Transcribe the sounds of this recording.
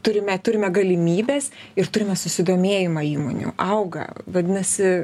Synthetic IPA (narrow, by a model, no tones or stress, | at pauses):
t̪ʊɾʲɪmʲɛt̪ʊɾʲɪmʲɛɡɐlʲɪmʲiːbʲɛsɪrt̪ʊɾʲɪmʲɛsʊsʲɪd̪oːmʲeːjɪmɐiːmo̰ːnʲṵːʔɐʊɡɐ̰ʋɐd̪ʲɪnɐsʲɪ